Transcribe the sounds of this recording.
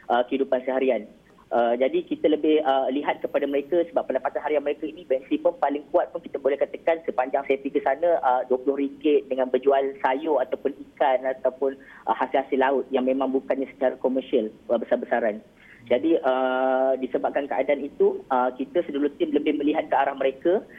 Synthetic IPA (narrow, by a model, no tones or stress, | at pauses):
ʔəkəɦidupansəɦaɾian | ʔəd͡ʒadikit̪ələbɪhəliɦat̪̚kəpadaməɾekasəbapːəndapat̪anɦaɾianməɾekainĩbɛnsipəmpalɪŋkuat̪̚pʊnki̥t̪əbolɛhkat̪əkansəpaɲd͡ʒaŋsefikəsanə̃ʔəduəpulʊhɦɾiŋɡɪt̪̚dəŋãnbəd͡ʒualsajoat̪awpʊnikanat̪awpʊn | ʔəhasilhasɪlːaʊt̪̚jaŋmẽmãŋbukanɲãsə̥t͡ʃaɾakoməsiələbəsarbəsaɾan | d͡ʒadiʔədisəbap̚kankəʔa̰daanit̪uəkit̪əsədulut̪ɪmləhbɪhmə̃liɦat̪̚kəaɾahməɾeka